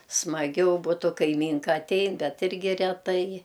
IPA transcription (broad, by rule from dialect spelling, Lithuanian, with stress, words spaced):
smɐˈɡʲɛʊ ˈbʊtʊ kɐɪˈmʲiːŋkɐ ɐtʲˈɛɪn ˈbʲɛt ˈɪrʲɡʲɪ rʲɛˈtɐɪ